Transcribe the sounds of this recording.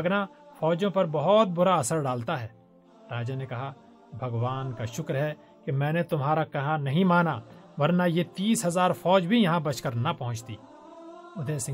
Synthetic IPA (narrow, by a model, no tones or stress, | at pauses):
na | fʰɔːd͡ʒõpɐɾbɐɦɔt̪̚bʊɾaɐsəɾɖaːlt̪aɦɛː | ɾaːd͡ʒanekɐɦa | bʱɐɡʋaːnkaʃʊkɾɦɛ | kemɛ̃ːnet̪ʊmɦaːɾakɐɦãnɐɦĩmaːna | ʋɐɾnajet̪iːsɦɐzaːɾfʰɔːd͡ʒbʱijɐɦãbɐt͡ʃkɐɾnɐpɐɦʊ̃t͡ʃt̪ḭː | ʊd̪ʱeːsɪ̃